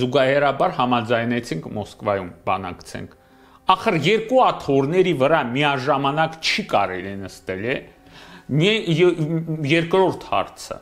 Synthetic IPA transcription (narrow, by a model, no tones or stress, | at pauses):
zuɡɑhɛɾɑbɑɾhɑmɑd͡zɑjnɛt͡sʰiŋkʰmɔskvɑjumbɑnɑ̰kt͡sʰɛ̰ŋkʰ | ɑχəɾjɛɾkuɑt̪ʰɔɾnɛɾivəɾɑmiɑʒɑmɑnɑkt͡ʃʰikɑɾɛlinəst̪ɛlɛ | mɛ | jɛɾkɾɔɾt̪ʰhɑ̰ɾt͡sʰə̰